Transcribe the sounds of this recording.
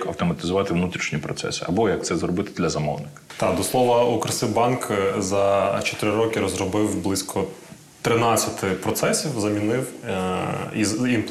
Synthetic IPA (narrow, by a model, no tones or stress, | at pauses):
kɐwt̪ɔmɐt̪ʲɪzʊʋɑt̪ɪʋnut̪ɾʲiʃɲʲipɾɔt̪sɛ̰sɪ̥ɐbɔjɐk̪̚sɛzrɔbɪt̪ɪ̥d̪lʲɐzɐmɔ̰wnɪkɐ̥t̪ɑd̪ɔslˠɔʋɐukɾɐsɪbɑnkzɐt͡ʃɔ̥t̪ɪɾɪɾɔkʲɪɾɔzrɔbɪwblˠɪsʲkʰɔ | t̪ɾɪnɑt͡sʲːɐt̪ɪpɾɔt̪sɛsʲiwzɐmʲinɪw | iim